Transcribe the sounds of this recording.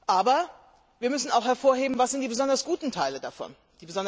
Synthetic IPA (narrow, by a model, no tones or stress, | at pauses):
ʔaːbɐ | viːɐmʏsn̩aʊxhɛɐfoːɐɦeːbm̩vasz̥ɪntd̥iːbəzɔndɐsɡ̥uːtn̩tʰaɪlədafɔ̰n | d̥iːbəzɔn